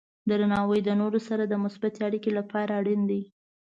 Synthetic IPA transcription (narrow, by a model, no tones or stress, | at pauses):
d̪əɾanɑwəjd̪ənoɾosaɾad̪əmʊsbat̪eaɽikelapɑɾaɽind̪i